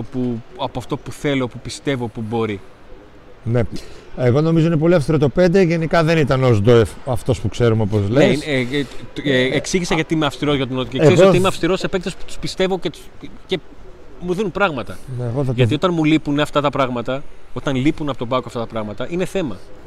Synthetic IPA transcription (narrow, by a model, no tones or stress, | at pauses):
opuɐpoɐft̪o̞puθe̞lo̞pupist̪e̞vo̞pubo̞ɾi | ne̞eɣo̞no̞mizo̞inepo̞liɐfst̪iɾo̞t̪o̞pend̪eʝe̞nikɐðe̞nit̪ɐnozd̪oefɐft̪o̞spukse̞ɾumeopozlees | eeksiʝisɐʝɐt̪iimeɐfst̪iɾo̞zʝɐt̪unot̪iesisimeɐfst̪iɾo̞sepek̚t̪ospu̥t̪u̥spist̪e̞vo̞cet̪u̥ce | muðinunpɾɐɣmɐt̪ɐneɣoθɐʝɐt̪iot̪ɐnmulipuneɐft̪ɐt̪ɐpɾɐɣmɐt̪ɐo̞t̪ɐnlipunɐpot̪obɐkoɐft̪ɐt̪ɐpɾɐɣmɐt̪ɐʔine̞θe̞mɐ